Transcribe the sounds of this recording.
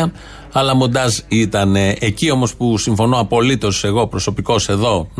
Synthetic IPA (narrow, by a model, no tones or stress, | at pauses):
ɐ | ɐlɐmond̪ɐzit̪ɐneecio̞mo̞spusiɱfo̞no̞ɐpo̞lit̪o̞se̞ɣo̞pɾo̞so̞piko̞se̞ðo̞n